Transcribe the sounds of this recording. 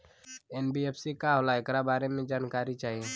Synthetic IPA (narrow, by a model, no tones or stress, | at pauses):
ɛːnbiepsikaɦoːlaekɾabaːɾemẽd͡ʒaːnkaːɾit͡ʃaːɦie